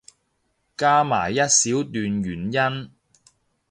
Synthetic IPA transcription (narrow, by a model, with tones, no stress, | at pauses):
kaː˥maː˨˩jːɐ˥t̚siː˨˥wt̪yː˨nɥyː˨˩njɐ˥n